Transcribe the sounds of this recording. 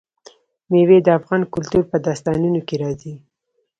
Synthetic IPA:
mewed̪əafɣɑnkʊlt̪uɾpəd̪ɑst̪ɑnunokeɾɑzi

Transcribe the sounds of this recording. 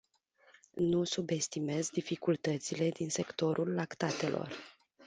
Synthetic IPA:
nusube̞st̪ime̞zd̪ifikult̪ət̪sile̞d̪inse̞kt̪o̞ɾʔulːakt̪at̪e̞lʔo̞̰r

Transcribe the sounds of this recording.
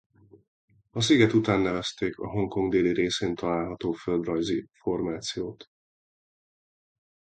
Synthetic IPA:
ɒsiɡɛt̪ut̪aːnːɛvɛst̪eːkɒ̰ɦo̞ŋko̞ŋɡd̪eːliɾeːseːnt̪ɒlaːlɦɒt̪oːfø̞ld̪rɒjzifo̞rmaːt̪sijoːt̪

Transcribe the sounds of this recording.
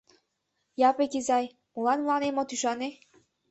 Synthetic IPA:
jɑpekizɑj | mulɑnmlˠɑnemot̪yʃɑne

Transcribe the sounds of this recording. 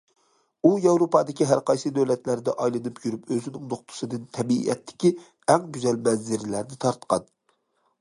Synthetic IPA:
ujɑwɾopɑːd̪ɪkʲiɦæɾqɑjsɨd̪øwlɛt̪læɾd̪ɛʔɑjlˠɨnɨpjyɾypøzɪnɪŋnoχt̪ʰʊ̥sɨd̪ɨnt̪ʰɛbḭɛ̰t̪ʰːɪ̥kʲi | ɛŋbyzɛlmɛnzɪɾlæɾnɪt̪ʰɑɾt̪qɑ̰n

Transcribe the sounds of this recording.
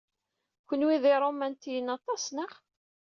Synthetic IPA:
kʷənwiðiɾˤomænt̪ijənɑt̪ˤɑsnəχ

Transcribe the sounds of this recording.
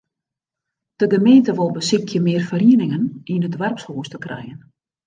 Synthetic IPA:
d̥əɡəmeːntəʋɔlˠbəsɪkʰjəmɪːərfəriənɪŋəninədʋɛrpshoəstəkrɛ̰jən

